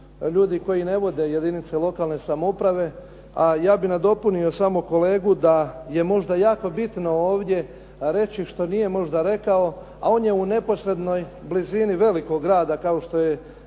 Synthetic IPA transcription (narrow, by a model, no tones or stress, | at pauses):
ʎuːd̪iko̞jine̞ʋo̞d̪e̞je̞d̪init̪selˠo̞kaːlne̞samoupɾaʋe̞ | ajaːbinad̪o̞punio̞samoko̞le̞ːɡud̪aje̞mo̞ʒd̪ajaːko̞bit̪no̞oːʋd̪je̞ | ɾe̞t͡ɕiʃt̪o̞nije̞mo̞ʒd̪aɾe̞kao̞ | a̰o̞ːnje̞une̞po̞sɾe̞d̪no̞jbliziniʋe̞liko̞ɡːɾaːd̪akaoʃt̪o̞je